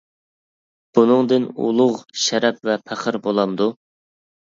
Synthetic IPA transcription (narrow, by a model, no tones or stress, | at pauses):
b̥unɨŋd̪ɪnṵlˠʊʁʃɛɾɛp̚vɛpʰæχəɾbolˠɑmd̪u